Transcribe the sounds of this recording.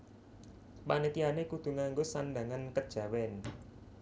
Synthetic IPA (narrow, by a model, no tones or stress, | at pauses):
panit̪ianekud̪̥ṳŋaŋɡosanɖaŋankəd̥ʒ̥ä̤wɛn